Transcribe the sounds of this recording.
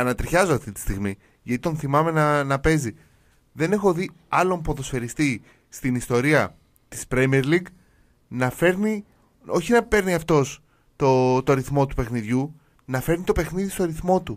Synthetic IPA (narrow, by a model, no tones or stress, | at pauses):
ɐnɐt̪ɾçɐzoɐft̪it̪i̥st̪iɣmi | ʝɐt̪i̥t̪o̞nθimɐme̞nɐnɐpe̞zi | ðe̞ne̞xoði | ɐlo̞mpo̞ðosfe̞ɾist̪i | st̪inist̪o̞ɾiɐ | t̪i̥spɾemieɾliɡ | nɐfe̞ɾni | o̞çinɐpe̞ɾniɐft̪o̞s | t̪ot̪oɾiθmo̞t̪upe̞xniðʝu | nɐfe̞ɾnit̪o̞pe̞xniðist̪o̞ɐɾiθmo̞t̪u